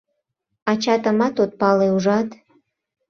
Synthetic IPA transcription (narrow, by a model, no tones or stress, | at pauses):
ɑt͡ɕɑt̪əmɑt̪ot̪̚pɑleuʒɑt̪